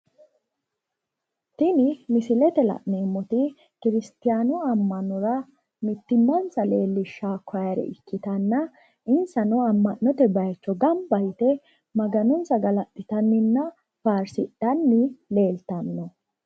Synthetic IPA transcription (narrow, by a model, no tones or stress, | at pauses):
t̪ɪnɪmɪsɪlɛt̪ɛlɐ̰ʔneːmːɔt̪ɪ | kɪɾɪst̪ɪjaːnɔɐmːɐnɔɾɐ | mɪt̪ːɪmːɐnsɐleːlːɪʃːaːkʰːɔjɐɾɛ̰ɪkːɪt̪ɐnːɐ | ɪnsɐnɔɐmːɐʔɔt̪ɛbɐjt͡ʃːɔɡɐmbɐjt̪ɛ | mɐɡɐnɔnsɐɡɐlɐt̪ːɪt̪ɐnːɪnːɐ | faːɾsɪɗɐnːɪle̞ːlt̪ɐnːɔ